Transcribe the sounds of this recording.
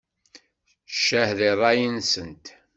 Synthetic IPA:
ʃːæhðirˤːɑjənsənt̪

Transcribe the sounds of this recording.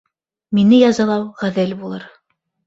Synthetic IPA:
minɘjɑzɑlˠɑwʁæðɘlbulˠɤɾ

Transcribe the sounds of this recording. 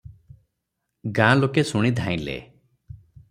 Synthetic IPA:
ɡãlokesuɽ̃id̪ʱãĩlḛ

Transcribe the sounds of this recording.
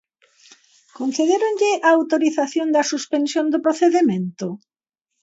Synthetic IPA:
kon̟θeðeɾʊnʎɪʔaːwt̪oɾiθaθjond̪ɐsuspensjond̪ʊpɾoθeðemẽnt̪ʊ

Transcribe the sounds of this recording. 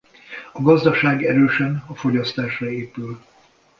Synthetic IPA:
ɒɡɒzd̪ɒʃaːɡɛɾøːʃɛnɒfo̞ɟɒst̪aːʃrɒeːpyl

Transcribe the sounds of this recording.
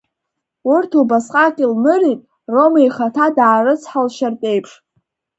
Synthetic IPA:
urtʰubasqʼakʲʼilmɨritʼ | ro̞majχatʰadaːrɨt͡sʰħalʃartʼe̞jpʰʂ

